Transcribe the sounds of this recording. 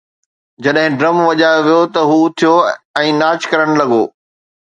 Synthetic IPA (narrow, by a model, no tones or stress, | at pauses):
d͡ʑɐɗɦɪ̃ɖɾɐmʋɐʄaːoʋijot̪ɐɦuːt̪ʰijoɛ̃ːnaːt͡ɕkɐɾəɽ̃lɐɡoː